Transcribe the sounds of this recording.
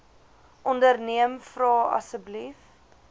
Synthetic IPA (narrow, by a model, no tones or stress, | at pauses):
ʔɔndərniəmfrɑːɐ̰səblif